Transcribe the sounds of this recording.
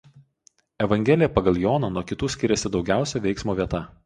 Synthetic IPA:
ɛʋɐŋʲɡʲɛlʲɪjɛpɐɡɐlˠjɔːnɐnuɔkʲɪt̪uːsʲkʲɪɾʲɛsʲɪd̪ɒʊɡʲæˑʊsʲɛʋʲɛɪksmoːʋʲiɛt̪ɐ

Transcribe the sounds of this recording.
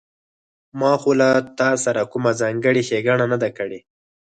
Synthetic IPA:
mɑxolat̪ɑsaɾakʊmazɑŋɡəɽiʃeɡaɳanad̪akəɽe

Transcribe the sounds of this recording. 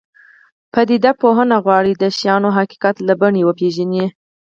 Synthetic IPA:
pəd̪id̪apoɦənaɣwɑɽid̪əʃijɑnoɦaki̥kat̪labaɳewəpeʒani

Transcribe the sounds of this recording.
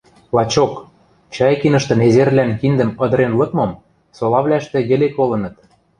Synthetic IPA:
lɑt͡ɕok | t͡ɕɑjkinɤ̆ʃt̪ɤ̆nezerlænkind̪ə̆mɤ̆d̪ɤ̆ɾenlɤ̆kmɤ̆m | solɑβlæʃt̪ĕɣĕlekolɤ̆nɤ̆t̪

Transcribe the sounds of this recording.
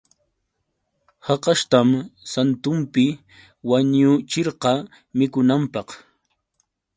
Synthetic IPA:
hɑqɑʃt̪amsant̪ʊmpɪ | waɲʊt͡ʃɪɾqɑ | mɪkʊnampɑq

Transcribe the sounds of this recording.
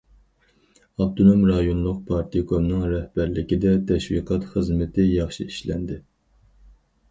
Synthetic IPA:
ɑbt̪ʰonomɾɑjonlˠʊq̚pʰɑɾt̪ʰikʰomnɨŋɾɛhb̥æɾlɪkʲid̪ɛt̪ʰɛʃwiqʰɑt̪χəzmɪt̪ʰɪjɑχʃiiʃlɛ̰nd̪ɪ

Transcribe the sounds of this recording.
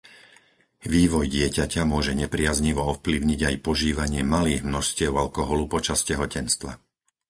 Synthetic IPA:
ʋiːʋɔjɟɪɛcacamʊɔʒɛɲɛpɾɪazɲiʋɔɔfpliʊɲiɟajpɔʒiːʋaɲɪɛmaliːɣmnɔʃscɪɛʊalkɔɦɔlupɔt͡ʃascɛɦɔcɛnst̪ʋa̰

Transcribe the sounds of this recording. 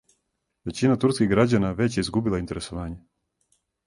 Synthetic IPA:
ʋe̞t͡ɕinat̪uɾskiɣɡɾad͡ʑanaʋe̞t͡ɕjeizɡubilˠaint̪e̞ɾesoʋaːɲe

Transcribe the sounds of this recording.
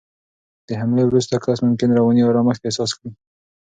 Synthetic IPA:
d̪̥əɦamlewɾust̪akɑsmʊmkɪnɾawɑniwaɾɑməxt̪ehsɑskɽi

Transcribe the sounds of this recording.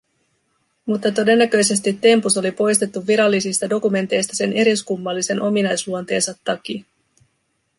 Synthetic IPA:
mut̪ːɑt̪o̞de̞nːæk̟ø̞jse̞st̪it̪ːe̞mpuso̞lipo̞jst̪e̞t̪ːuʋːiɾɑlːisist̪ɑdo̞kume̞nt̪e̞jst̪ɑse̞nʔe̞ɾiskumːɑlːise̞nʔo̞minɑjsluont̪e̞ːnsɑt̪ːɑk̟i

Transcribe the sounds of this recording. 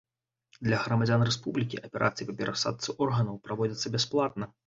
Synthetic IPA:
d̪lʲɐɣɾɐmad͡zʲanrɛspublʲikʲḭʔɐpʲɛɾʔa̰t̪sɨjipɐpʲɛɾasa̰t̪̚sɨʔɔrɣɐnɐwpɾavɔd͡zʲɐt̪sːɐbʲɛsplˠat̪̚nɐ

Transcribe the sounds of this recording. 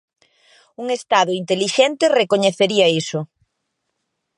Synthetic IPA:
uŋest̪aðʊint̪eliʃɛnt̪erekoɲeθeɾiɐisʊ

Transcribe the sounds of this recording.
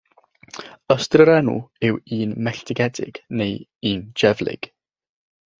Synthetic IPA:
əstrəɾɛnṵɪwiːnmɛɬtʰɪɡɛdɪ̰ɡ̥nejiːnd͡ʒɛvlˠɪ̰ɡ̥

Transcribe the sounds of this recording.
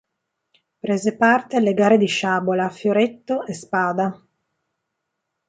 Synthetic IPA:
pɾeːzepart̪ealːeɡaːɾed̪iʃaːbolafjoɾet̪ːoʔespaːd̪a

